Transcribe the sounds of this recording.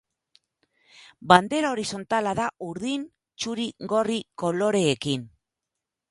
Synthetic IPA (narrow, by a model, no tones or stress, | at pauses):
band̪e̞ɾaoɾiso̞nt̪alaðaʔuɾðin | t͡ʃuɾiɡo̞riko̞lo̞ɾe̞ːkin